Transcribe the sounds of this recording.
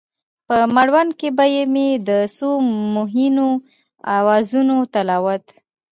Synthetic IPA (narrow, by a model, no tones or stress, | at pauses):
pəmaɽwankebajemed̪əsomʊɦino | a̰wɑzunot̪alɑwət̪